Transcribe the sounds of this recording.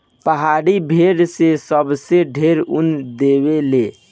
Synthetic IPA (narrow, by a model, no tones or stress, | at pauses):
pəɦaɽibʱeɽsesəbseɖʱeɾṵnd̪ebele